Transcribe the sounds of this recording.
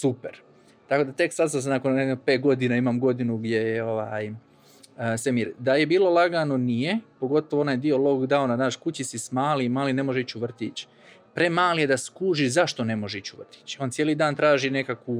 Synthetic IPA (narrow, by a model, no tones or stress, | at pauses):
supeɾ | t̪ako̞d̪at̪e̞ksasasanakoneope̞ːt̪̚ɡo̞d̪inaimamɡo̞d̪inuɡdʲje̞jeo̞ʋaːj | semiɾd̪aje̞biːlˠo̞lˠaɡano̞nije̞po̞ɡo̞t̪oʋoonaːjd̪io̞lˠo̞ɡd̪awnanaːʃkut͡ɕisismaːlimaːline̞mo̞ʒeit͡ɕuʋr̩t̪it͡ɕ | pɾe̞maːlijed̪askuːʒizaʃt̪o̞ne̞moʒeit͡ɕuʋr̩t̪i̥t͡ɕoːnt̪sjelid̪aːnt̪ɾaːʒine̞kaku